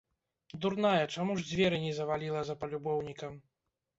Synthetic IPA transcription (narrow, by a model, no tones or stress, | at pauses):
d̪urnajɐt͡ʂamuʐd͡zʲvʲɛɾɨnʲɛzɐvalʲilˠɐzɐpɐlʲubɔwnʲikɐm